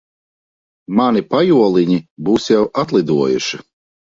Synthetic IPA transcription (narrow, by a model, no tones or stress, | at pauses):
manipajuɔlˠiɲibuːsjɛwʔat̪lˠid̪uɔjṵʃi